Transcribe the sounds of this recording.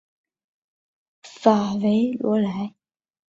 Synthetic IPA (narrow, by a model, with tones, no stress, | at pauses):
fa˨˩we˧˥ɪlwɔ̰˧˥la˧˥ɪ